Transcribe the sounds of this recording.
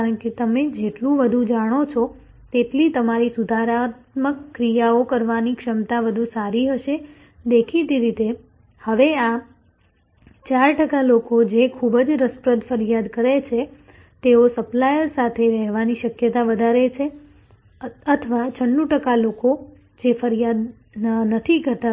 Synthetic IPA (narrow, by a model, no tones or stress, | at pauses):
kaɾəɳket̪əmed͡ʒeʈlũʋəd̪ʱũd͡ʒaɽ̃ot͡ʃʰɔ | t̪eʈlit̪əmaɾisud̪ʱaɾat̪məkːɾijaokəɾʋanikʃəmt̪aʋəd̪ʱũsaɾiɦəʃe | d̪ekʰit̪iɾit̪e | həʋea | t͡ʃaɾʈəkalokod͡ʒekʰubəd͡ʒɾəspɾəd̪fəɾijad̪kəɾet͡ʃʰe | t̪eosəplajəɾsat̪ʰeɾɛɦʋaniʃəkjət̪aʋəd̪ʱaɾet͡ʃʰe | ət̪ʰəʋat͡ʃʰəɳːũʈəkaloko | d͡ʒefəɾijad̪ | nət̪ʰiɡʱət̪a